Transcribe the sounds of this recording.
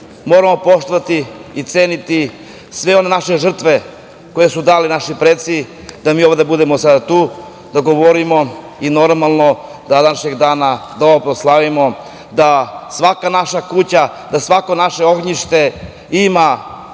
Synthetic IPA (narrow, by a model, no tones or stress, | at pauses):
moːɾamo̞po̞ʃt̪oʋat̪iːt̪seːnit̪i | sʋe̞o̞ne̞naʃe̞ʒr̩t̪ʋe̞ | ko̞jesud̪aːlinaʃipɾet̪si | d̪amiːo̞ʋod̪abud̪emosad̪at̪uː | d̪aɡo̞ʋoɾimo̞ | ino̞ɾmalˠno̞ | d̪ad̪naʃe̞ɡd̪aːnad̪oʋopɾoslˠaʋimo̞ | d̪asʋakanaʃakut͡ɕa | d̪asʋako̞naʃe̞o̞ɡɲiʃt̪e̞ | ima